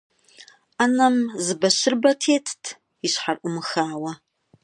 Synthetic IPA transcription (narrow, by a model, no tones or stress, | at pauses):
anɐmzɨbɐʃɨrbɐtʰeːtʰtʰ | iɕħarʔʷʊmɨxaːwɐ